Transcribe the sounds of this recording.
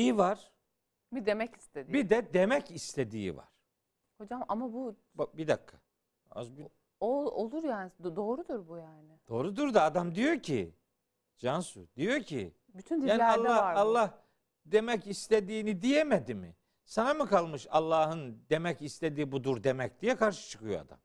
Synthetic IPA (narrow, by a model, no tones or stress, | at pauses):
ijivaɾ̥ | bid̪emɛci̥st̪ʰed̪bid̪ɛd̪emɛcist̪ʰed̪ḭːḭva̰ɾ̥ | ho̞d͡ʒamamabu | bbid̪akʰːḁ | a̰zbi | oolˠuɾjaːnɪd̪o̞ːɾud̪uɾbujaːnɪd̪̥o̞ːɾud̪uɾd̪aad̪amd̪ijo̞cʰḭ | d͡ʒansud̪ijo̞cʰḭ | byt̪ʰynd̪iaːnialˠːaɾalˠːah | d̪emɛcist̪ʰed̪iːnid̪ijemed̪imḭ | sanamɯkʰalˠmɯʃalˠːaːɦɯnd̪e̞mɛcist̪ʰe̞d̪iːbud̪uɾd̪emɛc̚d̪ijɛkʰaɾʃɯ̥t͡ʃʰɯ̥kʰɯjoa̰d̪a̰m